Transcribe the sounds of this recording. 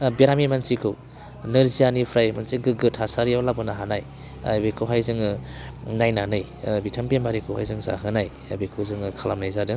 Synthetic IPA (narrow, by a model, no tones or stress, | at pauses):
biɾamimansikʰɯw | nɯɾzijanipʰɾajmansiɡɯɡɯtʰasaɾijawlabɯnaɦanaj | a̰bekʰɯwɦajzɯŋɯ | najnanɯj | bitʰampembaɾikʰɯwha̰jzɯŋza̰ɦɯnaj | bekʰɯzɯŋɯkʰalamnajzadɯ